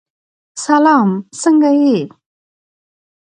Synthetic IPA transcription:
salamsəŋɡaje

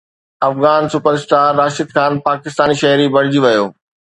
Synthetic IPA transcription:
ɐfɣaːnsʊpəɾɪsʈ̪aːaːʃɪd̪xaːnpaːkɪst̪aːniʃɐɦɾibɐɽ̤̃ɪd͡ʑiʋɐjoː

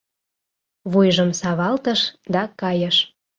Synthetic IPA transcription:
βujʒəmsɑβɑlt̪əʃd̪ɑkɑjəʃ

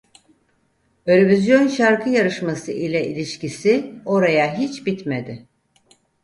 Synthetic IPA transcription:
øɾevizjo̞nʃaɾkʰɯjaɾɯʃmasɯʔilʲɛʔilʲiʃcisio̞ɾajaɦit͡ʃbit̪med̪ɪ

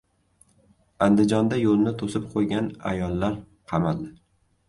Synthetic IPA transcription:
and̪ɪd͡ʒɒnd̪ajolnɪt̪ʰosɪp̚qʰojɡʲana̰jɒlˠːaɾ | qʰɑmald̪ɪ

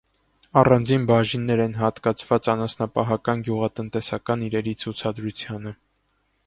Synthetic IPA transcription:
ɑrɑnd͡zinbɑʒinːɛɾɛnɦɑt̪kɑt͡sʰvɑt͡sɑnɑsnɑpɑɦɑkɑnɡjuʁɑt̪ənt̪ɛsɑkɑniɾɛɾit͡sʰut͡sʰɑd̪ɾut͡sʰjɑnə

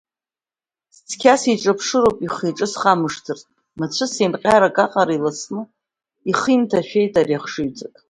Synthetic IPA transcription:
st͡sʰkʲʰasiʈ͡ʂʼapʰʂɨɾowpʼiχiʈ͡ʂʼɨsχamɨʂtʰɨrtʼ | mat͡ɕʷʰɨsemqʲʼaɾakʼaqʼaɾailat͡sʰnɨ | iχimtʰaʃᶣejtarjaχʂɨɥt͡sʼatʼ

